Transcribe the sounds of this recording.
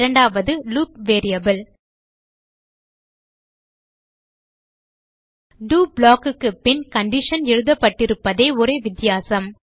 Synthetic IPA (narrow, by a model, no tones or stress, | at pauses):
ɾɐɳɖaːʋɐðɯluːp̚ʋeːɾɪjɐbɐl | ɖuːblaːkɯkːɯpɪnkɐɳɖɪʂɐnɛɻɯðɐpːɐʈːɪɾɯpːɐðeːʊɾeːʋɪt̪ːɪjaːsɐm